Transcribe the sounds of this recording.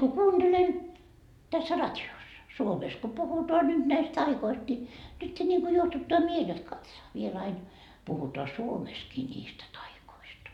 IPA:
ku kuːnd̥elen tæsːæ rɑtʲiosːɑ suomes ko puhutoɑ nyt næist tɑikoist ni nytːe nʲiŋku juohtutːɑː miel ot kɑtsɑː ʋiel ɑin puhutoɑ suomeskiː nʲiːstæ tɑikoistɑ

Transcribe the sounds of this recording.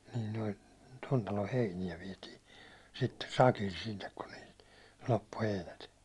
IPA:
nin noi ton tɑlo heinijæ ʋiɛti sitːe sɑkil sinːek kun niːlt lopːu heinæt

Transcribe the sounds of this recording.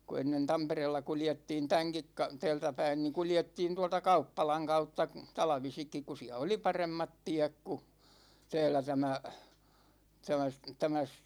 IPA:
ku enːen tɑmpereːlːɑ kuljetːiːn tæŋkik kɑ tæ̝ːltæ pæin ni kuljetːiːn tuɑltɑ kɑupːɑlɑŋ kɑutːɑ tɑlɑ̆ʋisikːik ku siæ oli pɑremːɑt tiæk ku tæ̝ːlæ tæmæ tæmæ s tæmæ s

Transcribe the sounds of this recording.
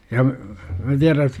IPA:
jɑ mæ tiæræ

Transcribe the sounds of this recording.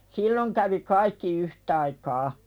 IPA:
silːoŋ kæʋi kɑikːi yhtɑikɑː

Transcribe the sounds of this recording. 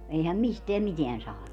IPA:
eihæm misteæm miteæn sɑːnu

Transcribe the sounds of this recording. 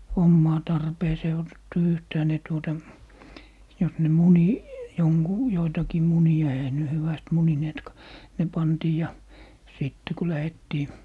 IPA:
omːɑː tɑrpeːseː otetːu yhtæː ne tuotɑ jos ne muni joŋɡu joitɑkiː muniɑ eihæ ne hyʋæst munineːtkɑ ne pɑntiː jɑ siˑtːe ku læhetːiː

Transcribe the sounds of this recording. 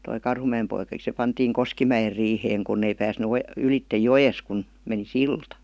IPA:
toi kɑrhumæem poikɑk̆i se pɑntiːŋ koskimæjer riːheːŋ kunː ei pæːsny o ylitːej jojes kun meni siltɑ

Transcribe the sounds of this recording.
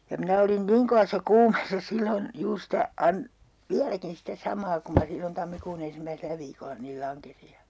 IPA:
jɑ minæ olin niŋ koʋɑsˑɑ kuːmeːsːɑ silːon juːr sitæ ɑn ʋiælækin sitæ sɑmɑː kum mɑ silːon tɑmːikuːn en̞simːæiselæ ʋiːkolːɑ niːl lɑŋkesi jɑ

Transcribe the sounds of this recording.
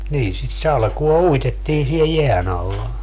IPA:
niːn sit sɑlkuo uitetːiː sie jeæn ɑlːɑ

